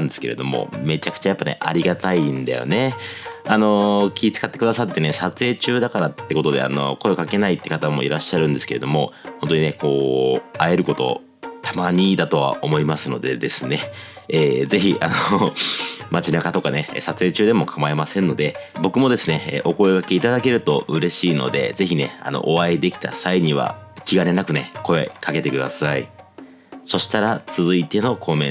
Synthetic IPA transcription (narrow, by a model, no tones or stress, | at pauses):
ãnd̪e̞sɨ̥ke̞ɾe̞̰d̪omo̞̰me̞t͡ɕakɯ̟̥t͡ɕajapːane̞̰ʔa̰ɾʲiɡat̪aind̪a̰jo̞̰ne̞ano̞kʲiːt͡sɨ̥kat̪ːe̞kɯ̟d̪asat̪ːe̞ne̞sat͡sɨe̞ːt͡ɕɨːd̪akaɾat̪ːe̞ko̞t̪o̞d̪e̞̰a̰no̞̰ko̞ekake̞nait̪ːe̞̥kat̪amo̞̰iɾaɕːaɾɯ̟̃nd̪e̞sɨ̥ke̞ed̪o̞mo̞ho̞nt̪oɲine̞ko̞ːae̞ɾɯ̟ko̞t̪o̞̰ | t̪ʰamaɲ̟id̪at̪o̞βa̰ʔo̞mo̞imasɨno̞d̪e̞d̪e̞sɨne̞eːze̞çiʔano | mat͡ɕinakat̪o̞kane̞sat͡sɨe̞ːt͡ɕɨːd̪e̞mo̞kʰamae̞masẽ̞nːo̞d̪e̞bo̞kɯ̟mo̞d̪e̞sɨnḛʔo̞ko̞eɡake̞it̪ad̪ake̞ɾɯ̟t̪o̞ʔɯ̟ɾe̞ɕiːno̞̰d̪e̞̰ze̞çine̞a̰no̰ʔoβaid̪e̞kʲi̥t̪ʰa̰saiɲ̟iβ̞a̰kʲiɡaɾe̞nakɯ̟ne̞̰ko̞e̞kʰake̞t̪e̞kɯ̟d̪a̰saḭ | so̞ɕi̥t̪aɾat͡sɨzɨit̪e̞no̞kʰo̞mẽ̞